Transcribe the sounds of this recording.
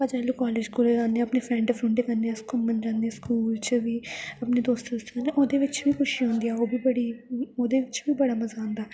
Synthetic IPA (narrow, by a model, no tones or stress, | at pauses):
əd͡ʒaːlukaːleːd͡ʒkuleɾãːnd̪ẽj̃ɐpnepʰɾɛ̃ːɳʈefʰɾʊ̃ɳɖeːkənd̪eɛ̃skʊmmənd͡ʒãːnd̪eɛ̃skuːlt͡ʃbiːəpneːd̪oːst̪ːʊst̪ːkənẽʔoːd̪eːʋɪt͡ʃbiːkʰʊʃiɦõːnd̪ijaːoːbiːbəɽiːoːd̪eːʋɪt͡ʃbiːbəɽaːmɐzaːɦʊ̃nd̪aː